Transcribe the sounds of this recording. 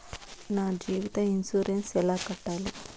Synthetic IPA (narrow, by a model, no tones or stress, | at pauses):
naːd͡ʒiːʋit̪ɐinsuːɾensɛlaːkɐʈːaːli